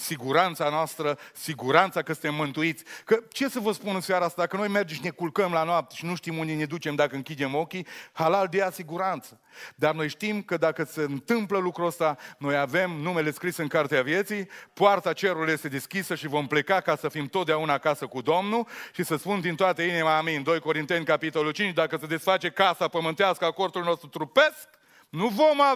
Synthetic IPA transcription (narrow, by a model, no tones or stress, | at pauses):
siɡuɾant̪sanoast̪ɾəsiɡuɾant̪sakəsɨnt̪emːɨnt̪uit̪sʲkət͡ʃe̞səvəspunɨnsjaɾaast̪ad̪akəno̞jme̞rd͡ʒemʃine̞kulkəmlanoap̚t̪e̥ʃinuʃt̪imund̪ene̞d̪ut͡ʃe̞md̪akəɨŋkʲid̪e̞mo̞kʲihalald̪easiɡuɾant̪sə | d̪arno̞jʃt̪imkəd̪akəse̞ɨnt̪ɨmpləlukɾuəst̪ano̞jave̞mnume̞le̞skɾisɨŋkart̪eavje̞t̪sijpoart̪at͡ʃe̞ɾuluje̞st̪ed̪eskʲisəʃivo̞mple̞kakasəfimt̪ot̪d̪eaunaːkasəkud̪o̞mnuʃisəspund̪int̪oat̪əinimaːmeɨnd̪ojko̞ɾint̪e̞nʲkapit̪o̞lult͡ʃint͡ʃd̪akəse̞d̪e̞sfat͡ʃe̞kasapəmɨnt̪easkəako̞rd̪ulno̞st̪ɾut̪ɾupesk | nuvo̞ma